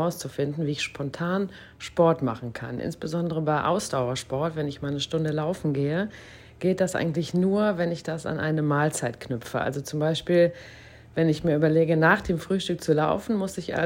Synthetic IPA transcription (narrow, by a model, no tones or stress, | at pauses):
aʊst͡sufɪndn̩viːɪçʃpʰɔntʰaːn | ʃpɔɐtma̰χn̩kʰa̰nʔɪ̰nsb̥əzɔndəʁəbaɪʔa̰ʊsd̥aʊɐʃpɔɐtv̥ɛnɪçmaːlnəʃtʊndəlaʊfn̩ɡeːə | ɡ̥eːt̚d̥asʔa̰ɪɡŋ̩tlɪçnuːɐvɛnɪçd̥asa̰nʔaɪnəmaːlt͡saɪtknʏpp͡ffəʔa̰lzot͡sʊmbaɪʃpiːl | vɛnɪçmiːɐʔyːbɐleːɡənaːχd̥eːmfʁ̥yːʃtʏk̚t͡sula̰ʊfn̩mʊsɪçʔa̰